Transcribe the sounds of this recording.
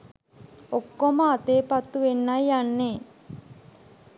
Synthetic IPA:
okːoməat̪eːpat̪ːuʋenːajjanːeː

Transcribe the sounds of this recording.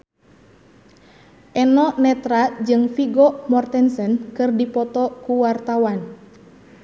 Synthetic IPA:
ʔɛnɔnɛt̪ɾad͡ʒɨŋfiɡɔmɔrt̪ɛnsɛnkɨrdipɔt̪ɔkuwart̪awan

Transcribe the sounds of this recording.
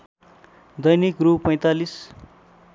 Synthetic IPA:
d̪ʌjnikrupʌj̃t̪alis

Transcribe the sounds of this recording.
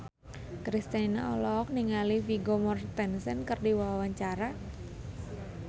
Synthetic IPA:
kɾist̪ana̰ɔlɔk̚niŋalifiɡomɔrt̪ɛnsɛnkərdiwawawaɲt͡ʃaɾa

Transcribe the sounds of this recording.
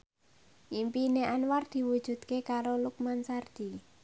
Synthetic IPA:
ʔimpineʔanward̪̥i̤wud̥ʒ̥ṳd̪̥̚kekaɾoluk̚mansard̪̥i̤

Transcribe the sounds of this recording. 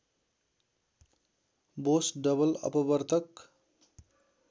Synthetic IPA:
bosɖʌbʌlʌ̰pʌbʌɾt̪ʰʌk

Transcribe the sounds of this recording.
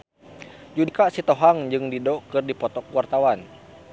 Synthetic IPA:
d͡ʒudikaʔsit̪ɔɦaŋd͡ʒɨŋdidɔkɨrdipɔt̪ɔkuwart̪awan

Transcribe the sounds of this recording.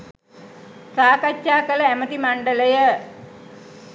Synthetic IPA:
saːkat͡ʃːaːkələæmət̪imaɳɖələjə

